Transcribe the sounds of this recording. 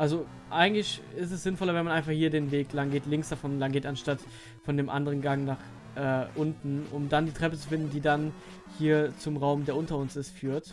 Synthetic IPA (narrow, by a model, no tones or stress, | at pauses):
ʔalzo | ʔaɪɡŋ̩tlɪçɪstɛsz̥ɪnfɔlɐvɛnmanaɪnfaχhiːɐdeːnveːklaŋɡeːtlɪŋksd̥afɔnlaŋɡeːtanʃtat | fɔndeːmʔa̰ndəʁ̞ənɡaŋnaːχ | ʔɛːʔʊntn̩ʔʊmdandiːtʁ̥ɛpət͡su̥fɪndn̩diːdan | hiːɐt͡sʊmʁaʊmdeːɐʔʊntɐʊnsɪstfyːɐt